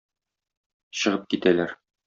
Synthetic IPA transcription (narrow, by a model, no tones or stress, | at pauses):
ɕɤ̆ʁɤp̚kit̪ælæɾ